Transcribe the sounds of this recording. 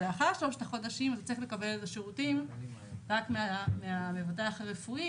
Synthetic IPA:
eaχaʁʃloʃt̪aχo̞daʃimazt̪ḁt͡sɐiχle̞kabelezeʃeʁutim | ʁakmeameamevateaχaʁefui

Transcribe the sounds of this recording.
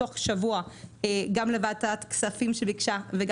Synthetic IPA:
oχʃavuaeɡamlevaːtat̪ksafimʃebikʃaveɡ

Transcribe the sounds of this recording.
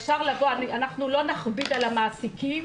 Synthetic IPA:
ʃaʁlavoanianaχnulo̞naχbid̪alamaːsikim

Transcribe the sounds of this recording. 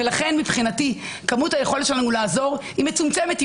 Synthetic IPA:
elaχe̞nmipχinati | kamutaje̞χo̞letʃelanulaːzo̞ʁhime̞t͡sumt͡semet̪

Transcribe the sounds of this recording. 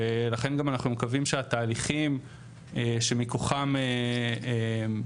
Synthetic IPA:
elaχe̞nɡamanaχnumekavimʃeat̪aːliχim | eʃemikoχameem

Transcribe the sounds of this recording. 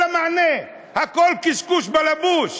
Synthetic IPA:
amane | hakɔlkiskuʃbalabuʃ

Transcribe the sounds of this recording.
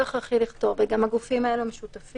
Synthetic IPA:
aχaχiliχt̪o̞ʁbeɡamhaɡufimaeluameʃut̪af

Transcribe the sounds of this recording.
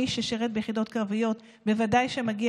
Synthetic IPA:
iʃeʃeʁet̪̚bejeχido̞tkʁavijo̞t̪ | be̞vadajʃemaɡi

